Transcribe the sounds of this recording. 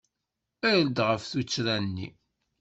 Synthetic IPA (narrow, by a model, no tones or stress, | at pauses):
æjld̪ʁəfθut͡sːɾænːḭ